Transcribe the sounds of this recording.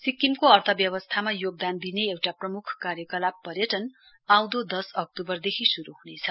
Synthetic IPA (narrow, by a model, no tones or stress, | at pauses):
sikːimkoʌrt̪ʰʌbjʌbʌst̪ʰamajoɡ̚d̪and̪ineewʈaprʌmukʰkarjʌkʌlapːʌrjʌʈʌn | aw̃d̪od̪ʌsʌk̚tubʌrd̪ekʰisuɾuɦunet͡sʰʌ̥